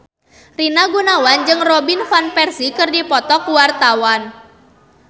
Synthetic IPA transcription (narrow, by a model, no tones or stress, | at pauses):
rinaɡunawand͡ʒɨŋrɔbinfanpɛrsikɨrdipɔt̪ɔkuwart̪awan